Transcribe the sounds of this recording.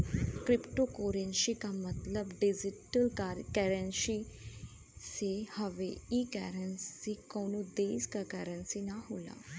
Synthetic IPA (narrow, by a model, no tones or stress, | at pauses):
kɾɪpʈoːkoːɾənʃiːkaːmət̪ləbɖɪd͡ʒɪʈəlkɛɾənʃiː | sehəʋeiːkɛ̰ːɾənsiːkoːnoːd̪eːskakɛːɾənsinaɦoːla̰ː